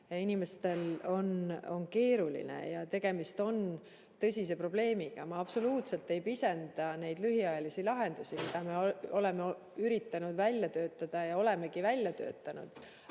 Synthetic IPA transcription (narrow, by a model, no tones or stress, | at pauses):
jɑinime̞st̪e̞lo̞no̞nke̞ːɾulḭnḛjɑt̪e̞ɡ̥e̞mist̪o̞n | t̪ɤ̞sʲis̬e̞pro̞b̥le̞ːmiɡ̥ɑmɑɑb̥so̞luːt̪se̞lt̪ːˑe̞jpise̞nd̪̥ɑne̞jd̪lyɦiɑjɑlisilɑɦe̞nd̪̥usimid̪̥ɑme̞o̞le̞meo | yɾit̪ːˑɑnud̪̥vælʲjɑt̪ø̞ːt̪ːˑɑd̪̥ɑjɑo̞le̞me̞ɡivælʲːjɑt̪ø̞̰ːt̪ːˑɑnṵd̪̥